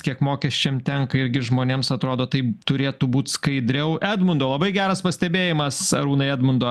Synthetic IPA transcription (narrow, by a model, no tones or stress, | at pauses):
kʲiɛkmoːkʲɛsʲt͡ʃʲɛmt̪ʲɛŋkɐɪɾʲɡʲɪʒmoːnʲeːmsɐt̪ɾoːd̪oːt̪ɐɪt̪ʊɾʲeːt̪uːbuːt̪skɐɪd̪ʲɾʲɛʊʔæːd̪mʊnd̪oːlˠɐbɐɪɡʲæːɾɐspɐsʲt̪ʲɛbʲeːjɪmɐsɐɾuːnɐɪæːd̪mʊnd̪oː